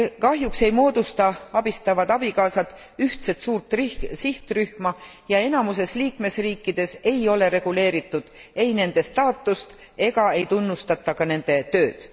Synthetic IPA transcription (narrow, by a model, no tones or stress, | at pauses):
kɑɦjukse̞jmo̞ːd̪̥ust̪ɑɑb̥ist̪ɑvɑd̪̥ɑb̥ikɑːsɑt̪ːˑ | yht̪se̞t̪suːrt̪ːˑrsiht̪ryhmɑ | jɑe̞nɑmuse̞sliːkme̞sriːkːˑid̪̥e̞se̞jo̞le̞ɾe̞ɡ̥ule̞ːɾit̪ːˑud̪̥e̞jne̞nd̪̥e̞st̪ɑːt̪ːˑust̪ | e̞ɡɑe̞jt̪unːust̪ɑt̪ːˑɑkɑne̞nd̪̥e̞t̪ø̞ːd̪̥